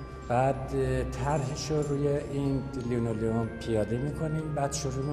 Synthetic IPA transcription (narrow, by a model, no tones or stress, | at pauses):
b̥æːd̪t̪ʰæɾɦiːʃoɾuːjeʔinliunolionpʰijɒːd̪emiːkʰo̞nimbæːd̪̥ʃoɾum